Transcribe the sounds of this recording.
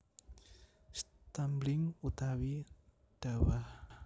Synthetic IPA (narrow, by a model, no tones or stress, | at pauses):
st̪amblɪŋut̪awi | d̥a̤wah